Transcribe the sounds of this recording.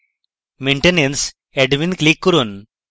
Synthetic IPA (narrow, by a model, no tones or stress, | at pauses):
meɳʈenens | eɖʋinklikːuɾun